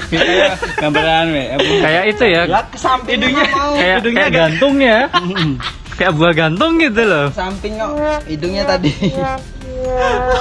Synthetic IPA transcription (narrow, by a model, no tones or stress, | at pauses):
ɡambəɾaːnwɛakajaʔit̪ujalakəsampɪduɲakajaʔdajakɡant̪ʊŋɲa | kajaʔ̚buaɡant̪ʊŋɡit̪̬ulosampɪŋɔʔidʊɲat̪adi